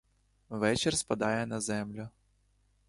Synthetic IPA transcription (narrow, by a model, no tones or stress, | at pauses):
ʋɛt͡ʃɛrspɐd̪ɑjɛnɐzɛmlʲʊ